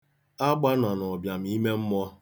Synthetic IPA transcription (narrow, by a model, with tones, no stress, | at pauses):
a˦ɡ͡ba˦na˨nɔ˨bja˨m̩˦i˦me˦m̩˦mɔ˦